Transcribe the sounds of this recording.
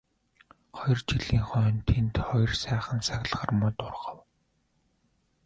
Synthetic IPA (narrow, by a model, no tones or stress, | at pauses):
χɔj̆rt͡ɕiɮiːŋχœːnt̪ʰent̪χɔj̆rsæːχə̆nsaxʲɮχə̆rmʊt̪ʊrʁə̆w